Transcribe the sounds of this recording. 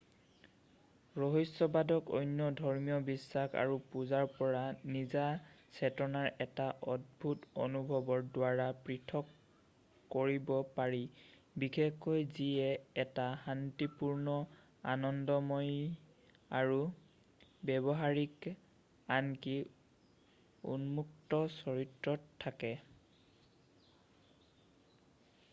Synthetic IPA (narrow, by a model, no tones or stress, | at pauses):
ɹɔɦisɔbadɔko̰jnjɔdʱɔɹmijɔbisːaxa̰ɹupuzaɹpɔɹanizasʰɛtɔnaɹɛtaʔɔd̚bʱuto̰nubʱɔbɔɹdwaɹapɹitʰɔkː | oɹibɔpaɹi | bikʰekːɔjziɛɛtahantipuɹnɔ | a̰nɔndɔmɔj | aɹu | bɛbɔɦaɹik | anki | ṵnmuk̚tɔsɔɹitɹɔtʰːakɛ